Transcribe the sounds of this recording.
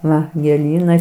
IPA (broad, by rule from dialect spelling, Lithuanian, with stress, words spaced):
ˈʋɐ ɡʲeːˈlʲiːnɐɪ